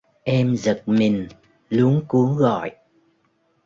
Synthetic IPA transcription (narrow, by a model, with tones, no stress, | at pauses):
ʔɛ˧mzə˨˩t̚mi˨˩ŋ̟ | lu˨˦əŋku˨˦əɣɔ̰˧˨j